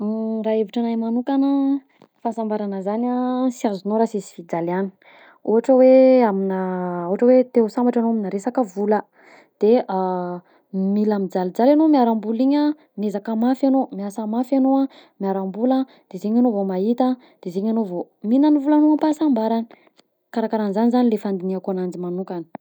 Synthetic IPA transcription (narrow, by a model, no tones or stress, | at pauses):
raeviʈ͡ʂanajmanukanə | fasambaɾanəzanasiazunoɾasizi̥fid͡zalani̥ | uɦaʈ͡ʂəweaminəuɦaʈ͡ʂəwet̪esambaʈ͡ʂanoaminəɾesakəvulə | d̪̥ea | milamid͡zalid͡zalanomiaɾambuliɲə | mezakamafanomiasamafanoamiaɾambula | d̪̥ezeɲanovomait̪a | d̪̥ezeɲanovo | minanivulanoapasambaɾani̥ | kaɾakaɾanizanizanilefand̪iniakuanand͡ʒimanukani̥